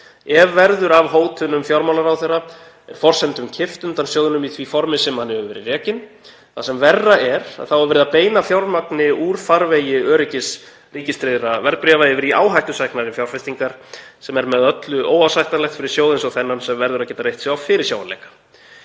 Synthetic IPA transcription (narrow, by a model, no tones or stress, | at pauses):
ɛvːɛɾðʏɾavɦoːwt̪ʰʏnʏmfjawɾmawlaɾawθɛra | ɛɾ̥fɔr̥sɛnt̪ʏmcʰɪft̪ʏnt̪ansjowðɪnʏmiθʰviːfɔɾmɪsɛmhanːɪhœvʏvɛːɾɪrɛːcɪn | θasɛmvɛrːaɛɾa̰ðθawaɾvɛːɾɪðapeːjnafjawɾmaknɪuɾ̥faɾvejɪœːɾɪcɪs | riːcɪst̪ɾeðɾavɛɾðpɾiavajɪvɪɾiaːwɦajht̪ʏsɛknaɾɪnfjawɾ̥fɛst̪iŋkaɾ̥sɛmɛɾmɛðœt̪lʏʔoːwawsajht̪alɛxt̪fɪɾɪɾ̥sjoːwðɪnsɔɣθɛnːansɛmvɛɾðʏɾaðcɛːt̪aɾrejht̪sɛawfɪɾɪɾ̥sjaːwa̰nlḛjkḁ